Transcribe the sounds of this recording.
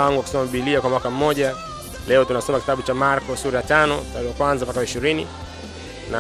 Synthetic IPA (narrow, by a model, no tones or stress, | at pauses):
aŋɡuaku̥sɔmamɓiliakwamwakam̩mːɔʄa | lɛɔtunasɔmaki̥taɓut͡ʃamaɾkɔsuɾajatanɔtaɓujakwanzampakawaiʃiɾini | na